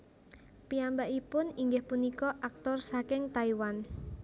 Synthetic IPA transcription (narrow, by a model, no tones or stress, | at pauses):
piambaʔipʊniŋɡɪhpunikɔʔak̚t̪ɔrsakɪŋt̪aiwan